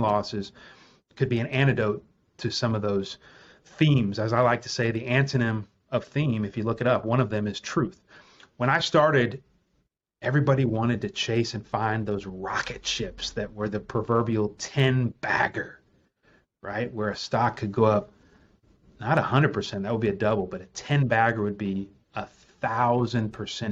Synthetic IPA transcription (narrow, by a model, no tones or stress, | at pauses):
lɔsɨz̥ | kʰɨd̚biɨ̃ñæɾ̃ɨdoʊtʰ | ɨsʌ̃mʌvðoʊz̥ | θĩmzɨzaɪlaɪk̚tʰɨ̥seɪðiæ̃ntʰɨnɨ̃m | ʌv̥θĩmɨfjɨlʊkɨɾʌpwʌ̃ñʌvðɨ̃mɨz̥tʰɹ̥ʉθ | wə̃ɾ̃aɪstɑɹɾɪɾ | ɛvɹibɑɾiwɑ̃ɾ̃ɨd̚tɨt͡ʃʰeɪsɨ̃nfãɪ̃nðoʊzɹɑkɨtʃɪpsðɨt̚wə˞ðɨpʰɹ̥ɨvɜ˞bil̩ˠtʰɛ̃nb̥æ̰ɡə˞ | ɹa̰ɪt̚wə˞ɨstɑkʰɨd̚ɡoʊʌp̚ | nəɾəhʌ̃ndə˞d̚pʰə˞sɛ̃nðɨt̚wəd̚biɨdʌbl̩ˠbʌɾɨtʰɛ̃nbæɡə˞wɨd̚bi | ə | θaʊzɨ̃npʰə˞sɛ̃n